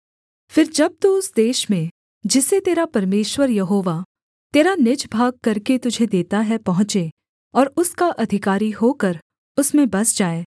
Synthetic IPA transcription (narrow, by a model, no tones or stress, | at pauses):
fɪɾd͡ʒɐb̚t̪uʊsd̪eːʃmẽ | d͡ʒɪset̪eːɾapɐɾmeːʃwəɾjɐɦoːʋa | t̪eːɾanɪd͡ʒbʱaːɡ̚kɐɾket̪ʊd͡ʒʱed̪eːt̪aɦɛpɐɦʊ̃t͡ʃe | ɔːɾʊskaʔɐd̪ʱɪkaːɾiɦoːkɐɾ | ʊsmẽbɐsd͡ʒaːeː